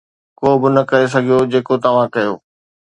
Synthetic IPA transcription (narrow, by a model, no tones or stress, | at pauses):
koːbɪnɐkɐɾes̬ɐɡʱijod͡ʑeːkot̪ɐʋ̤ãkɐjoː